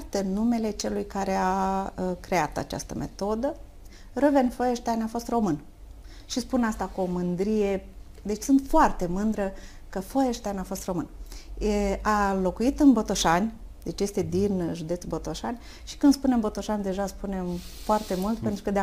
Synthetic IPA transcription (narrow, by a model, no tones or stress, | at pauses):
t̪enːume̞le̞t͡ʃe̞lujkaɾe̞akɾe̞at̪a̰t͡ʃa̰st̪əme̞̰t̪o̞d̪ə | rovenfojeʃt̪ajnʲafo̞st̪ro̞mɨn | ʃispunast̪akuomɨnd̪ɾije̞ | d̪e̞t͡ʃʲsɨnt̪foart̪e̞mɨnd̪ɾə | kəfojeʃt̪ajnafo̞st̪ro̞mɨn | alo̞kuit̪ɨnbo̞t̪oʃanʲd̪e̞t͡ʃje̞st̪e̞d̪inʒud̪e̞t̪sʲbo̞t̪o̞ʃanʲ | ʃi̥kɨnspunembo̞t̪o̞ʃanʲd̪e̞ʒaspune̞mfoart̪e̞mult̪̚pe̞nt̪ɾukəd̪e